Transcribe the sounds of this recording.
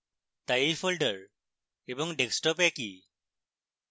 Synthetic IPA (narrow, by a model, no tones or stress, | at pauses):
tajifʰolɖəɹ | ebɔŋɖeksʈɔpeki